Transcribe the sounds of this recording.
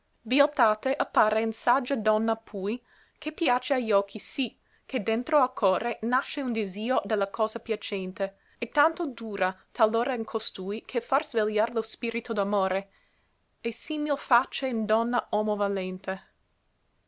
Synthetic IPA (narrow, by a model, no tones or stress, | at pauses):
vialt̪aːt̪eʔapːaːɾeinsad͡ʒːad̪ɔnːapʰuj | kʰepjaːt͡ʃeaʎɔkʰːisi | kʰed̪ent̪ɾoalkʰɔːɾenaʃːeund̪iziːod̪elːakʰɔːzapjat͡ʃɛnt̪e | ɛt̪ːant̪od̪uːɾat̪ʰalːoːɾainkʰost̪uːikʰefarzveljaɾlospiːɾit̪od̪amoːɾe | esimilfat͡ʃːeind̪ɔnːaʔɔːmovalent̪e